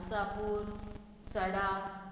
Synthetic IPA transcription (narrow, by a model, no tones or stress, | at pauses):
sapuɾ | səɽa